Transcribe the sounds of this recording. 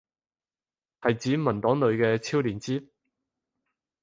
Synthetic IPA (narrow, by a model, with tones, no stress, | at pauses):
hɐ˨jt͡siː˨˥mɐ˨˩nt̪ɔː˨˥ŋlɵ˨˧ɥkɛː˧t͡sʰiː˥wliː˨˩nt͡siː˥